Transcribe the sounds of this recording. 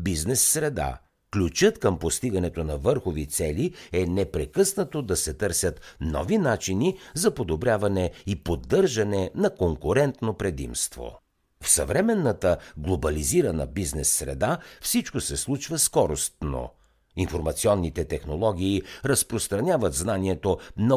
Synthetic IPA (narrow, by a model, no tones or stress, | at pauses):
biznɛsːɾɛd̪a̰ | klʲut͡ʃət̪kəmpost̪iɡɐnɛt̪onɐvɤɾxovit̪sɛliɛnɛpɾɛkɤsnɐt̪od̪ɐsɛt̪ɤɾsʲət̪nɔ̰vinat͡ʃinizɐpod̪obɾʲavɐnɛipod̪ːɤɾʒɐnɛnɐkoŋkʊɾɛnt̪nopɾɛd̪ḭmst̪vo̰ | fsɐ̰vɾɛmɛnːət̪əɡlˠobɐliziɾɐnə̰biznɛsːɾɛ̰d̪afsit͡ʃkosɛslˠut͡ʃvəskɔɾost̪no̰ | infoɾmɐt̪siɔnːit̪ɛt̪ɛxnolˠɔɡʲiːɾɐspɾost̪ɾɐnʲavət̪znaniɛt̪onɐ